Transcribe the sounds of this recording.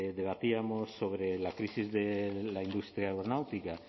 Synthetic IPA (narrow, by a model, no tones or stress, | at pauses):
ðeβ̞at̪iamosːoβ̞ɾelakɾisizðelaind̪ust̪ɾjaeɣɾonawt̪ika